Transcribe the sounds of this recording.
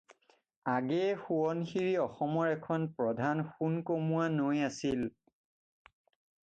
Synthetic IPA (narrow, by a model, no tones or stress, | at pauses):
aɡɛxuɔnxiɹiɔxɔmɔɹɛkʰɔnpɹɔdʱanxunkomuanojasil